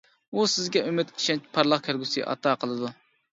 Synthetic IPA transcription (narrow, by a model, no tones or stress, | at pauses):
usɪzɡʲɛymɪt̪ʲi̥ʃɛnt͡ʃpʰɑɾlˠɑχkʲʰæɾɡʲusɨʔɑ̰t̪ʰɑqʰəlˠɨd̪u